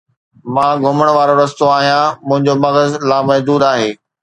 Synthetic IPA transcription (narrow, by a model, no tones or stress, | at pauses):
mãːɡʱʊməɽ̃ʋaːɾoɾɐst̪oaːɦijãmʊ̃ɦɪ̃ɲd͡ʑomɐɣəzlaːmɐɦd̪uːd̪aːɦeː